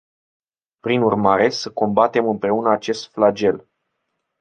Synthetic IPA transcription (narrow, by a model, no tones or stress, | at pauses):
pɾinurmaɾe̞səko̞mbat̪e̞mɨmpɾe̞unəat͡ʃe̞st̪flad͡ʒe̞l